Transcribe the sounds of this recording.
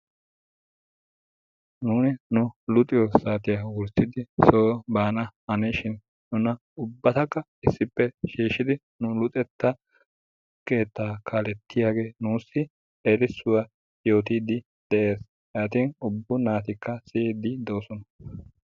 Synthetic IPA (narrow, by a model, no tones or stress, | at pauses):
nuːnɪnʊlʊt̪ʼɪjɔsaːt̪ɪjawʊɾsɪd̪ɪsoːbaːnɐɐneʃɪnː | ʊnɐ | ʊbːɐt̪ɐkːɐ | ɪsːɪpːɛʃiːʃːɪd̪ɪ | nʊlʊt̪ʼɛt̪ːɐ | ke̞ːt̪ːaːkʰaːlɛt̪ːɪjaːɡe̞ːnuːsːɪ | ɛɾɪsːʊwa | jo̞ːt̪iːd̪ɪ | d̪̥ɛʔe̞ːs | aːt̪iːnʊbːʊnaːt̪ɪkːɐsɪeːd̪ɪd̪o̞ːsɔnɐ